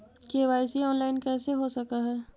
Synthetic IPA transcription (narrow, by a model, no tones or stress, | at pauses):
keːʋaːɪsiɔːnlaːɪnkɛːseɦosɐkaɦɛː